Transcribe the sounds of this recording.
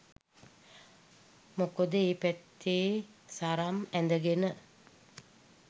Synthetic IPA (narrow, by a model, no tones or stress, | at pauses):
mokod̪əeːpæt̪ːeːsaɾamænd̪əɡenə